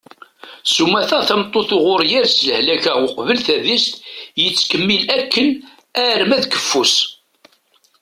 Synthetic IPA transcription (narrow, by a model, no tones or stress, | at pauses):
sumːæθæθæmt̪ˤːoθʊʁʊɾjæɾsləhlækæʁʊqvəlθæðist̪jət͡sːkəmːilækːən | æɾmæðkə̥fːus